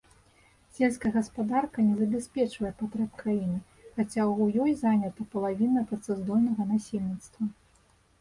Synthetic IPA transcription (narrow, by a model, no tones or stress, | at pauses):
sʲɛlʲskɐjɛɣɐspad̪arkɐnʲɛzɐbʲɛsʲpʲɛt͡ʂvɐjɛpat̪ɾɛpkɾajinɨ | xat͡sʲawjɔjzanʲɐt̪ɐpɐlˠavʲinɐpɾɐt̪sɛzd̪ɔlʲnɐɣɐnasʲelʲnʲit̪st̪vɐ